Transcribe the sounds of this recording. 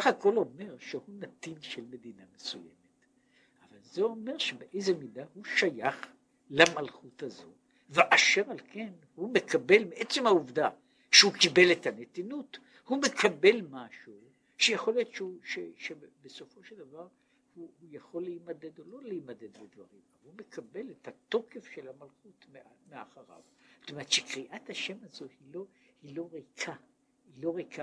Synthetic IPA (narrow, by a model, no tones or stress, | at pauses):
aχako̞lo̞me̞ʁʃehunat̪inʃelme̞d̪inamesuje̞̰met | ʔavalzeo̞me̞ʁʃebeʔe̞jzemid̪ahuʃajaχ | lamalχutazo̞̰ | veʔaʃeʁalke̞n | humekabe̞lmeʔet͡semhauvda | ʃehukibe̞let̪ʰanetinut | hume̞kabe̞lmaʃu | ʃejeχo̞ljo̞tʃeuʃeʃebeso̞fo̞ʃeld̪avaʁ | huhujaχo̞lːeimad̪e̞d̪o̞lo̞leimad̪e̞d̪bed̪va̰ʁimavhume̞kʰabe̞lethat̪o̞ke̞fʃelhamalχutmemea̰χaʁa̰vzḁt̪ome̞etʃekʁiʔat̪haʃe̞mazo̞hilo̞hilo̞ʁekʰa | hilo̞ʁejka